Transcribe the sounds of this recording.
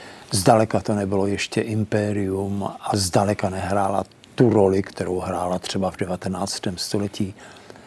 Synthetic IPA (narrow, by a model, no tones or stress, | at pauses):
zdalɛkat̪onɛbɪlojɛʃcɛʔɪmpɛːɾɪumʔazdalɛkanɛɦɾaːla̰ | t̪uɾolɪkt̪ɛɾowɦɾaːlat̪r̝̥ɛbavdɛvat̪ɛnaːt͡st̪ɛːmst̪olɛciː